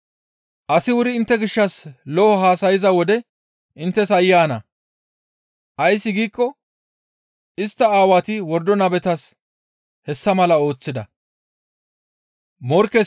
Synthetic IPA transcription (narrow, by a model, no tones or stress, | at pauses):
ʔɐsɪwʊɾɪɪnt̪ːɛɡɪʃːɐslɔɔɦaːsɐjɪzɐwɔd̪ɛ | ʔɪnt̪ːɛs̬ɐjːaːnɐ̰ | ʔɐjsːɪɡiːkːɔ | ɪst̪ːɐaːwat̪ɪwɔɾd̪ɔnɐbɛt̪ɐs | hɛsːɐmɐlɐo̞ːt͡sːɪd̪ɐ | mɔɾkːɛ